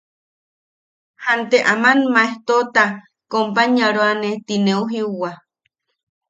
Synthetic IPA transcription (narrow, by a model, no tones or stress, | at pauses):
hant̪eʔamanmaeht̪ot̪a | kompaɲaɾoanet̪ineuɦiuwa